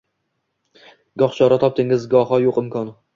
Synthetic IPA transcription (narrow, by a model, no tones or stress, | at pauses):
ɡɒχt͡ʃʰɒɾat̪ʰɒp̚t̪ʰɪŋɪzɡɒɦɒjoqɪmkʰɒn